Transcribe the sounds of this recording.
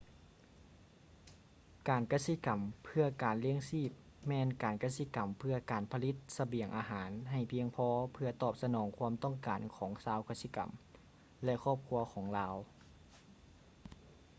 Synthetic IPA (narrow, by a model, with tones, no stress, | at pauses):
kaː˨˩nka˧˥si˧˥ka˨˩mpʰɯ˧ɐkaː˨˩nli˧˥əŋsiː˧˥˩p̚ | mɛː˧˥nkaː˨˩nka˧˥si˧˥ka˨˩mpʰɯ˧ɐkaː˨˩npʰa˧li˧˥t̪̚sa˧bi˨˩əŋʔaː˨˧ɦaː˩˦nɦa˨˩jpʰi˧əŋpʰɔː˧˥pʰɯ˧ɐt̪ɔː˨˩p̚sa˧nɔː˩˦ŋkʰu˧˥ə˨mt̪ɔ˥˨ŋkaː˨˩nkʰɔː˩˦ŋsaː˧˥wka˧˥si˧˨ka̰˨˩m | lɛ˧kʰɔː˥˩p̚kʰu˧ɐkʰɔː˩˦ŋlaː˧˥w